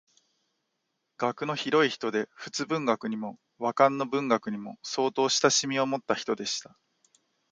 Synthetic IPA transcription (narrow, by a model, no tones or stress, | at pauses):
ɡ̥akɯ̟no̞çiɾo̞içi̥t̪o̞d̪e̞ɸɯ̥t͡sɨbɯ̟̃ŋɡakɯ̟ɲ̟imo̞ | βakãnːo̞bɯ̟̃ŋɡakɯ̟ɲ̟imo̞so̞ːt̪o̞ːɕi̥t̪aɕimʲio̞mo̞t̪ːaçi̥t̪o̞d̪e̞ɕi̥t̪ḁ